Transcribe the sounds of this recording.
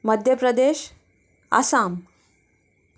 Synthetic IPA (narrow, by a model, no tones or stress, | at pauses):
məd̪ʱjəpɾəd̪eːɕ | a̰saːm